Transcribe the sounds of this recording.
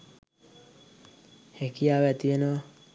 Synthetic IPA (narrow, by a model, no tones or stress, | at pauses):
hekijaːʋæt̪ienəʋa